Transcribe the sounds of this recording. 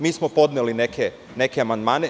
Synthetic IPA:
miːsmopo̞d̪neline̞kʰe | ne̞keamand̪maːne

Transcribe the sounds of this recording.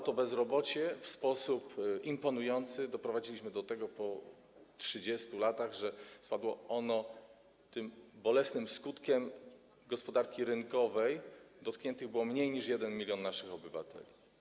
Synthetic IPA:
ɔt̪ɔbɛzɾɔbɔt͡ɕɛfspɔsupimpɔnujɔnt̪sɘd̪ɔpɾɔvad͡ʑilʲiɕmɘd̪ɔt̪ɛɡɔpɔ | tʂɘd͡ʑɛst̪ulat̪aɣʐɛspad̪wɔɔnɔ | t̪ɘmbɔlɛsnɘmskut̪kʲɛm | ɡɔspɔd̪aɾkʲiɾɘnkɔvɛjd̪ɔt̪kɲɛnt̪ɘɣbɘwɔmɲejɲiʂjɛd̪ɛnmʲilʲjɔnːaʂɘxɔbɘva̰t̪ʰɛ̰lʲi

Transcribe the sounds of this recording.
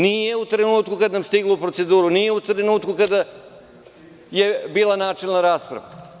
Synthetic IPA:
nije̞ut̪ɾenuːt̪kukad̪namst̪iɡloupɾose̞d̪uːɾunije̞ut̪ɾenuːt̪kukad̪a | je̞biːlˠanaːt͡ʃilˠnaɾaːspɾa̰ʋa̰

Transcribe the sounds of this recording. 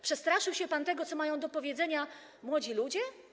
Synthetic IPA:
pʂɛst̪ɾaʂɘwɕɛpant̪ɛɡɔt̪ɔmajɔ̃w̃d̪ɔpɔvʲjɛd̪zɛɲa | mwɔd͡ʑilud͡ʑɛ

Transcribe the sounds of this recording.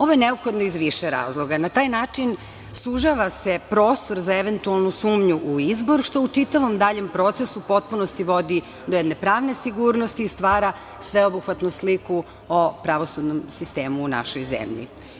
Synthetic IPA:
o̞ʋojeneopxo̞d̪noizʋiʃeɾa̰ːzlˠo̞ɡanat̪aːjnaːt͡ʂin | suʒaʋase̞pɾo̞ːst̪o̞ɾzaeʋe̞nt̪ualˠnusuːmɲuʔuizbo̞ɾʃt̪o̞ut͡ʂit̪aʋo̞md̪aʎe̞mpɾo̞t̪sesupo̞t̪̚punost̪iʋo̞d̪i | d̪ojed̪ne̞pɾaːʋne̞siɡuːɾnost̪iːst̪ʋaːɾa | sʋe̞obuxʋat̪nusliku | opɾaʋo̞sud̪nomsist̪eːmuːna̰ʃojzḛmʎḭ

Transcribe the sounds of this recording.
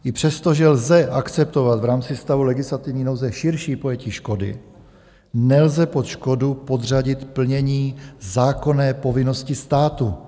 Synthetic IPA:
ʔɪpr̝̥ɛst̪o̞ʒɛlzɛʔakt͡sɛp̚t̪o̞vat̪vɾaːmt͡sɪst̪avulɛɡɪslat̪ɪvɲiːnowzɛʃɪɾʃiːpo̞jɛciːʃko̞dɪ̰ | nɛlzɛpot̪ʃko̞dupo̞d̪r̝aɟɪt̪pl̩ɲɛɲiːzaːko̞nɛːpo̞vɪno̞scɪst̪aːt̪u

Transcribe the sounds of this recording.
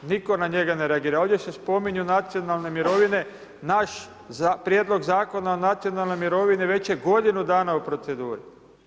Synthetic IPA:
niko̞naɲe̞ɡane̞ɾeaɡiːɾao̞ːʋd̪ʲjesespo̞miɲunat̪sio̞nalˠne̞miɾo̞ʋine | naʃ | pɾjed̪lo̞ɡzaːko̞naonat̪sijo̞nalˠno̞jmiɾo̞ʋiniʋe̞t͡ɕjeɡo̞d̪inud̪aːnaupɾo̞t̪se̞d̪uːɾḭ

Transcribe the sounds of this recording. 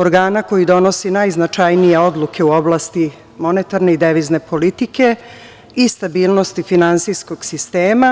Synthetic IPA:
oɾɡaːnako̞jid̪o̞no̞sinajznat͡ʃajnije̞o̞d̪lˠukʰe̞uo̞blˠaːst̪i | mo̞net̪aɾne̞id̪eʋizne̞pʰo̞lit̪ike̞ | ist̪abiːlˠno̞st̪ifinansijsko̞ɡ̥sist̪eːma

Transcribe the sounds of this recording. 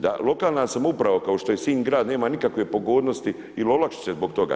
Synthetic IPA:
d̪a̰lo̞kaːlˠnasamoupɾaʋokaoʃt̪o̞jesiːnɡɾaːd̪ne̞ːmanikakʋe̞po̞ɡoːd̪nost̪i | ilo̞lakʃi̥t͡ɕezbo̞kt̪o̞ɡa̰ː

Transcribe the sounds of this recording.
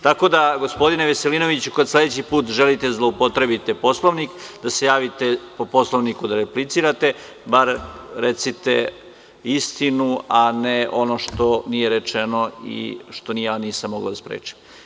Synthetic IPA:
t̪ako̞d̪aɡo̞spo̞d̪ineʋeselino̞ʋit͡ɕukod̪sled̪et͡ɕipuːt̪ʒelit̪e̞zlˠo̞upot̪ɾe̞bit̪e̞po̞slˠoʋnikd̪ase̞jaːʋit̪e̞po̞po̞slˠoʋnikud̪aɾeplit̪siːɾat̪e̞ | baɾɾet̪sit̪ḛ | ist̪inuaneo̞no̞ʃt̪onije̞ɾet͡ʃenoḭʃt̪o̞nijejaːniːsamːoɡla̰d̪aspɾḛːt͡ʃi̥m

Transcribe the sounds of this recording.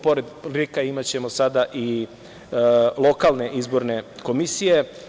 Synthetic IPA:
po̞ɾe̞d̪likaimat͡ɕe̞mosad̪aʔi | lˠo̞kalˠne̞ʔizbo̞ɾne̞ko̞misije̞

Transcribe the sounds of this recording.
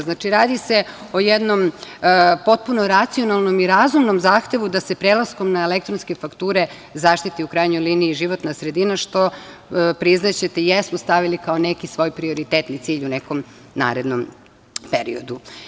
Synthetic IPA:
znat͡ʃiɾaːd̪ise̞ | o̞jed̪no̞m | po̞t̪̚punoɾat̪sio̞nalˠno̞miɾazumno̞mzaːxt̪e̞ʋud̪ase̞pɾeːlˠasko̞mnaelek̚t̪ɾonske̞fakt̪uːɾe̞ | zaːʃt̪it̪iukɾaːjɲojliːniːʒiʋo̞t̪nasɾe̞d̪inaʃt̪o̞ | pɾiznat͡ɕet̪ejesmost̪aʋilikao̞ne̞kisʋo̞ːjpɾio̞ɾit̪et̪nit̪siːʎuneko̞m | na̰ːɾe̞d̪no̞m | peɾḭod̪u

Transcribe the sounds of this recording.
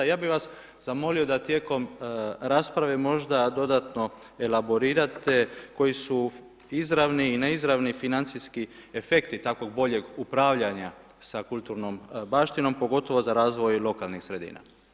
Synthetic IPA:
jaːbiʋas | zamo̞lio̞d̪at̪je̞ːko̞mɾaːspɾaʋe̞mo̞ʒd̪ad̪o̞d̪at̪no̞ | e̞labo̞ɾiːɾat̪e̞ko̞jisu | izɾaʋniːneizɾaʋnifinant̪siski | efe̞kt̪it̪akʋo̞ɡbo̞ʎe̞ɡupɾaːʋʎaɲa | sakulˠt̪uɾno̞mbaːʃt̪ino̞mpo̞ɡo̞t̪o̞ʋozaɾaːzʋo̞jlo̞kalˠnixsɾe̞d̪ḭːna̰

